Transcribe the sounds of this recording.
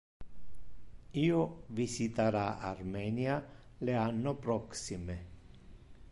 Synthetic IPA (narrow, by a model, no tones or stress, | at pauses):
iːovisit̪aɾaa̰rmɛnia | leanːopɾɔksime